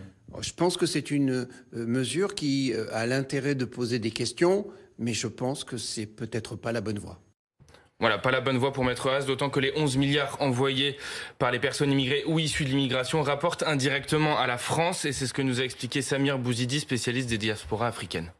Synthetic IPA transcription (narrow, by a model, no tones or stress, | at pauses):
ʒ̥ə̥pɑ̃skəsɛt̪ynməzyʁkʲialɛ̃t̪eʁɛd̪əpozed̪ekʲɛst̪jɔ̃mɛʒəpɑ̃skəsɛpøt̪ɛt̪χəpalabɔnvwa̰ | vwalapalabɔnvwapuʁmɛt̪χəazd̪ot̪ɑ̃kəleʔɔ̃zmiljaːʁɑ̃vwajepaʁlepɛʁsɔnimiɡʁeʔuisyd̪əlimiɡʁasjɔ̃ʁapɔʁt̪ɛ̃d̪iʁɛk̚t̪əmɑ̃ʔalafχɑ̃sesɛsə̥kənuzaɛksplikʲesamiʁbuzid̪ispesjalist̪̚d̪ed̪jaspɔʁaːfχikʲɛn